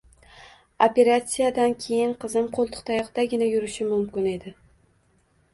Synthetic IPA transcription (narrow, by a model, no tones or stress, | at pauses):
ope̞ɾat̪sijad̪ankʲʰe̞jɪnqʰɨzɪmqʰolˠt̪ʰʊ̥qt̪ʰajɒqd̪aɡʲɪnajʊɾɪʃɪmʊmkʲɪne̞d̪ɪ